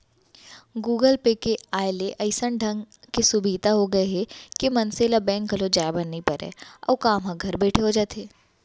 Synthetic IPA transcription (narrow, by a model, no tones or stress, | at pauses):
ɡuːɡəlpekeaːeleʔɐɪsəɳɖʱɐ̃ŋɡ | kesʊbʱiːt̪aɦoɡɐeɦɛkemɐnseːlabɛ̃ːŋk̚ɡʱɐlod͡ʒaːebɐnːipɐɾɛ̰ːɔ̰ːkaːmɦãɡʱɐɾbɛːʈʰeɦod͡ʒaːt̪eː